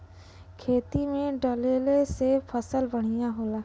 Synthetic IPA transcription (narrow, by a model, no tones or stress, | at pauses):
kʰeːt̪imẽɖəleːlesepʰəsəlbɐɽ̤̃ijãɦoːlaː